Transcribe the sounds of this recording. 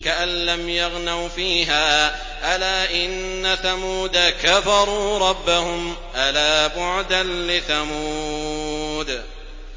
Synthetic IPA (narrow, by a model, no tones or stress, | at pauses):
kaʔanlamjaɣnawfiːɦaː | ʔalaːʔɪnːaθamuːd̪akafɑɾˤuːɾˤɑbːahʊm | ʔalaːbʊʕd̪anlɪθamuː | d̪